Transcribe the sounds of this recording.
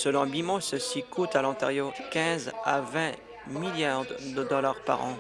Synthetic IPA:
səlɔ̃bimɔ̃səsikut̪alɑ̃t̪aʁjokʲɛ̃zavɛ̃ | miljaʁd̪d̪əd̪ɔlaʁpa̰ʁɑ̰̃

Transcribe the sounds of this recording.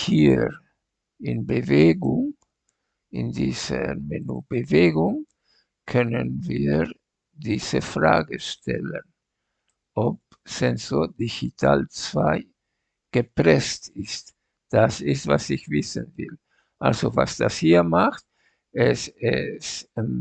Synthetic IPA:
hiː | ɪnbəveːɡʊŋ | ɪ̰ndiːzəmenuːb̥əveːɡʊŋ | kʰœnənviː | diːz̥əfʁa̰ːɡəʃtʰɛ̰lən | ʔɔp̚ | sɛnzodiçitʰaːlt͡sv̥aɪ | ɡ̥əpʁɛstɪst | d̥asɪstvasɪçvɪsənvɪl | ʔalzova̰sd̥ashiːɐmaxt̚ | ɛsɛs

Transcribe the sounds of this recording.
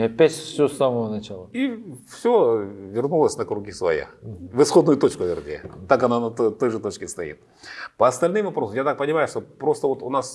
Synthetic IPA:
ɐpʲætʲfsʲɵsːaməvənɐt͡ɕalˠəifsʲovʲɪrnulˠəsʲnəkɾʊɡʲisvɐ̰ja̰vɨsxo̞d̪nʊjʊt̪o̞t͡ɕkʊvʲɪrdʲḛt̪ːakɐnanɐt̪o̞jʐɨt̪o̞t͡ɕkʲɪst̪ɐḭt̪̚ | pəɐst̪ɐlʲnɨmvɐpɾo̞səmjat̪ak̚pənʲɪmajʊʂt̪opɾo̞st̪əvo̞t̪ʊnas

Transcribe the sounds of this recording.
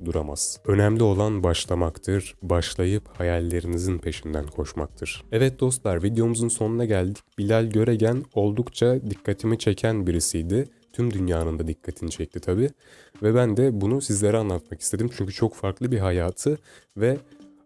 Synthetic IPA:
d̪uɾama̰z̥ø̞næmlʲio̞lˠanbaʃlˠamakt̪ʰɯɾ̥baʃlˠajɯphajalʲːe̞ɾinizinpʰe̞ʃind̪æ̰nkʰo̞ʃma̰k̚t̪ʰɯɾ̥ɛvɛt̪̚d̪o̞st̪lˠaɾvid̪ejo̞muzunso̞nunaɟælʲd̪i̥c̚bilʲælʲɟø̞ɾeɟæno̞lˠd̪ukt͡ʃʰad̪ikːat̪ʰimit͡ʃʰe̞cʰænbiɾisijd̪ɪ | t̪ʰymd̪ynjaːnɯnd̪ad̪ikʰːat̪ʰinit͡ʃʰɛc̚t̪ʰit̪ʰabiː | vɛbænd̪ɛbunusizlʲe̞ɾianlˠat̪̚maki̥st̪ʰe̞d̪imt͡ʃʰyɲcyt͡ʃʰo̞kfaɾklˠɯbiɦajaːt̪ʰɯ | vɛ

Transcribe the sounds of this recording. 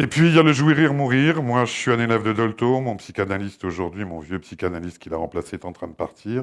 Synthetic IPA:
epɥijaləʒwiʁiʁmuʁiʁmwaʒəsɥianelɛvd̪əd̪ɔlt̪omɔ̃psikanalist̪oʒuʁd̪ɥimɔ̃vjøpsikanalist̪̚kʲilaʁɑ̃plaseɛt̪ɑ̃t̪χɛ̃d̪əpaʁt̪ʰiːʁ

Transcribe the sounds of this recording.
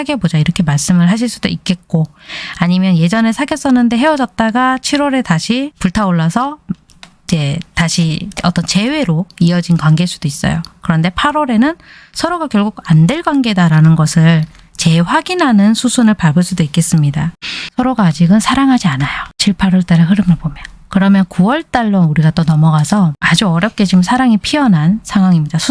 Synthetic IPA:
aɡebod͡ʑaiɾʌkʰe̞maɭs͈ɯmɯɭɦaɕ̬ʰiɭs͈ud̥oik͈e̞t̚k͈o | aɲimjʌnje̞d͡ʑʌne̞sʰaɡjʌs͈ʌnːɯnde̞ɦe̞wʌd͡ʑʌt̚t͈aɡat͡ɕʰiɾwʌɾe̞taɕʰipuɭtʰaoɭːasʰʌ | id͡ʑe̞taɕʰiʌt͈ʌnt͡ɕe̞we̞ɾoiʌd͡ʑinkwaŋɡe̞ɭs͈ud̥ois͈ʌ̰jo̰kɯɾʌnde̞pʰaɾoɾe̞nɯn | sʰʌɾoɡakjʌɭɡuɡandwe̞ɭɡwaŋɡe̞daɾanɯnɡʌsʰɯɭ | t͡ɕe̞ɸwaɡinɦanɯnsʰusʰunɯɭpaɭɡɯɭs͈udoik͈e̞s͈ɯmɲidasʰʌɾoɡaːd͡ʑiɡɯnsʰaɾaŋɦad͡ʑianajot͡ɕiɭpʰaɾʌɭt͈aɾeɦɯɾɯmjʌɭbomjʌnkɯɾʌmjʌnkuwʌɭt͈aɭːʌuɾiɡat͈onʌmʌɡasʰʌad͡ʑuʌɾjʌp̚k͈e̞d͡ʑimsʰaɾaŋipʰiʌnɦansʰaŋɦwaŋimɲidasʰu

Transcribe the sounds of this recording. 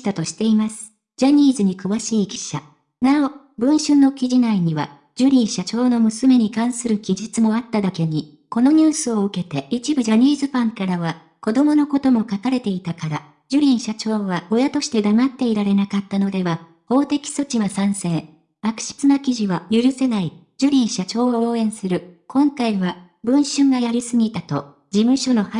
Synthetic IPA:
t̪at̪o̞ɕi̥t̪e̞imasɨ̥ | d͡ʑaɲ̟iːzɨɲ̟ikɯ̟βaɕiːkʲi̥ɕa | nao̞ | bɯ̟̃ɰ̃ɕɨno̞kʲiʑinaiɲ̟iβa | d͡ʑɯɾʲĩɰ̃ɕat͡ɕo̞ːno̞mɯ̟sɨme̞ɲ̟ikãɰ̃sɨɾɯ̟kʲiʑit͡sɨmo̞at̪ːad̪ake̞ɲ̟i | ko̞no̞ɲ̟ɨːsɨo̞ɯke̞t̪e̞it͡ɕibɯ̟ʑaɲ̟iːzɨpãŋkaɾaβa | ko̞d̪o̞mo̞no̞ko̞t̪o̞mo̞kakaɾe̞t̪e̞it̪akaɾa | d͡ʑɯɾʲĩɰ̃ɕat͡ɕo̞ːβao̞jat̪o̞ɕi̥t̪e̞d̪amat̪ːe̞iɾaɾe̞nakat̪ːano̞d̪e̞βa | ho̞ːt̪e̞kʲi̥so̞t͡ɕiβasãɰ̃sẽ̞ | akɯ̟̥ɕi̥t͡sɨnakʲiʑiβajɯɾɯ̟se̞nai | d͡ʑɨɾʲĩɰ̃ɕat͡ɕo̞ːooːẽ̞ɰ̃sɨɾɯ̟kõ̞ŋkaiβa | bɯ̟̃ɰ̃ɕɨ̃ŋɡajaɾʲisɨɡʲit̪at̪o̞ | d͡ʑimɯ̟ɕo̞no̞ha

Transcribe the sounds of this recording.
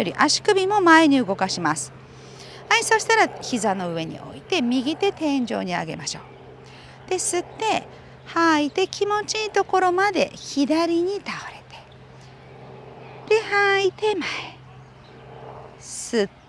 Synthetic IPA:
oɾʲḭʔaɕi̥kɯ̟bʲimo̞mae̞ɲ̟iɯ̟ɡo̞kaɕimasɨ̥ | aisoɕi̥t̪aɾaçizano̞ɯ̟e̞ɲ̟ḭʔo̞̰it̪e̞mʲiɡʲit̪e̞t̪ẽ̞ɲ̟d͡ʑo̞̰ːɲ̟ia̰ɡe̞̰maɕo̞ː | d̪̥e̞sɨt̪ːe̞ | hait̪e̞kʲimo̞t͡ɕiːt̪o̞ko̞ɾo̞mad̪e̞̰çid̪aɾʲiɲ̟it̪aoɾe̞t̪e̥ | d̪̥e̞hait̪e̞mae | sɨ

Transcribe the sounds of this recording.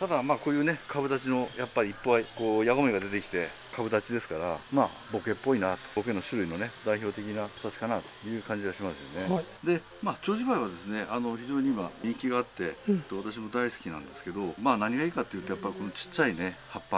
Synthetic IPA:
t̪ad̪amaːkoːjɯ̟ːne̞kʰabɯ̟d̪at͡ɕino̞japːaɾʲiːipːoaiko̞ːjaɡomoiɡad̪e̞t̪e̞kʲi̥t̪e̞ | kabɯ̟d̪at͡ɕid̪e̞sɨ̥kaɾamaːbo̞ke̞pːo̞inat̪oo̞ke̞nːo̞ɕɨɾɯ̟ino̞ne̞d̪aiço̞ːt̪e̞kʲinaḁt̪at͡ɕi̥kanat̪o̥jɯ̟ːkãɲ̟d͡ʑiaɕimasɨjo̞̰ne̞d̪e̞ | maːt͡ɕo̞ːʑibaiβ̞ad̪e̞sɨne̞ano̞çiʑo̞ːɲ̟iimaɲ̟ĩŋkʲiɡaːt̪ːe̞t̪oβat̪aɕ̬imo̞d̪aisɨ̥kʲinã̰nd̪esɨ̥ke̞d̪o̞maːnaɲ̟iɡaiːkat̪ːe̞jɯ̟t̪ojapːaɾʲiko̞no̞t͡ɕi̥t͡ɕːaine̞hapːa

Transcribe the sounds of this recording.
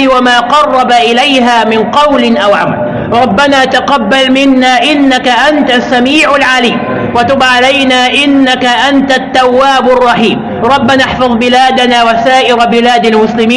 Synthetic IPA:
wamaːqɑrˤːɑbaʔɪlajɦaːmɪnqɑwlɪnʔawʕama̰l | ɾˤɑbːanaːt̪aqɑbːalmɪnːaːʔɪnːakaʔant̪asːamiːʕalʕaliːm | wat̪ʊbʕalajnaːʔɪnːakaʔant̪at̪ːawːaːbɑrˤːɑħiːm | ɾˤɑbːanaħfɑðˤbɪlaːd̪anaːwasaːʔɪɾabɪlaːd̪almʊslɪmiː

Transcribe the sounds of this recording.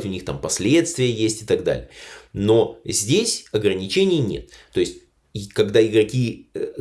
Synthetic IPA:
tʲʊnʲixt̪ampɐsʲlʲe̞t̪st̪vʲɪjəjesʲtʲɪ̥t̪ɐɡd̪a̰lʲɪ̰jəno̞zʲdʲesʲɐɡɾənʲɪt͡ɕenʲɪjnʲḛt̪ːo̞ɪsʲtʲ | kɐɡd̪aɪɡɾɐkʲi

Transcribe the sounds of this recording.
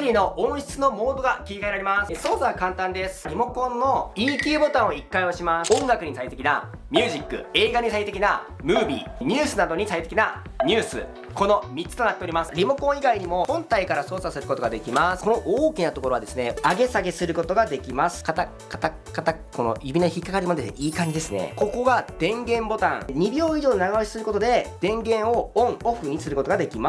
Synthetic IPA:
ɾʲino̞ʔõɰ̃ɕi̥t͡sɨno̞mo̞ːd̪o̞ɡakʲiikaeɾaɾʲimasɨ̥so̞ːsaβakãnt̪ãnd̪e̞sɨ̥ɾʲimo̞kõ̞nːo̞iːkʲeːbo̞t̪ãɰ̃o̞ikːaioɕimasõ̞ŋɡakɯ̟ɲ̟isait̪e̞kʲinamʲɨ̟ːʑikːɯ̟̰e̞ːɡaɲ̟isait̪ekʲina | mɯːbʲḭɲ̟ʲɨːsɨnad̪o̞ɲ̟isait̪e̞kʲina | ɲ̟ʲɨːsɨ̰ | ko̞no̞mʲit͡sːɨ̥t̪o̞nat̪ːe̞o̞ɾʲimasɨ̥ɾʲimo̞kõ̞ɰ̃iɡaiɲ̟imo̞hõ̞nt̪aikaɾaso̞ːsasɨɾɯ̟ko̞t̪oɡad̪e̞kʲimasɨ̥ko̞no̞ʔoːkʲinat̪o̞ko̞ɾo̞βad̪e̞sɨne̞aɡe̞saɡe̞sɨɾɯ̟ko̞t̪o̞ɡad̪e̞kʲimasɨ̥kat̪a | kat̪a | kat̪ako̞no̰jɯ̟bʲinoçikːakaɾʲimo̞d̪eʔiːkãɲd͡ʑid̪e̞sɨne̞̰ko̞ko̞ɡad̪̥ẽ̞ŋɡẽ̞mbo̞t̪ã̰ŋɲ̟ibʲjo̞ːiʑo̞ːnaɡaoɕi̥sɨɾɯ̟ko̞t̪o̞d̪e̞d̪̥ẽ̞ŋɡẽ̞ɰ̃o̞õŋoɸɯ̟ɲ̟isɨɾɯ̟kot̪oɡad̪e̞kʲima

